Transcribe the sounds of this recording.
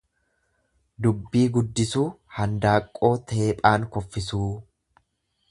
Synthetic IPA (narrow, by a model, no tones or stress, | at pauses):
d̪ʊbːiːɡʊd̪ːɪsuːhɐnd̪aːkʼːo̞ːt̪ʰe̞ːpʼaːŋkɔfːɪsuː